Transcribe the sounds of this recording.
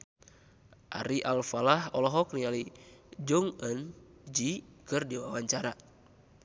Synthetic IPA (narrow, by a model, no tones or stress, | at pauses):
ʔa̰ɾiʔalfalahɔlɔɦɔknialid͡ʒɔŋənd͡ʒikɨrdiwawaɲt͡ʃaɾa